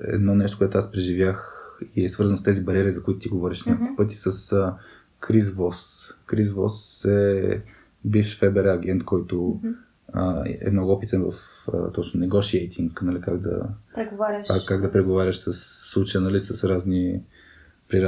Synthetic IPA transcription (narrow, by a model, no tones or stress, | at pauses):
ɛ̰d̪nɔnɛʃ̬t̪o̥koɛt̪ʊaspɾɛʒivʲjaxiɛsvɤɾzɐnst̪ɛzibɐɾiɛɾizɐkʊit̪ʊ̥t̪iɡovɔɾʲiʃnʲakupɤt̪̬ʲi̥sɐsə | kɾizvɔskɾizvɔsɛ | biffɛbɛɾɛɐɡɛnt̪kɔjt̪ʊ | ə̰ɛ̰mnɔɡʊɔpit̪ɛnvɐ̰f | ə̰t̪ɔt͡ʃnʊnɛɡɔʃiɛjt̪ʰʲiŋknɐlikaɡd̪ɐ̰ɾɛɡovaɾʲkaɡd̪ɐpɾɛɡovaɾʲəʃsəsːlˠut͡ʃəjənɐlisɐsɾazni | pɾiɾa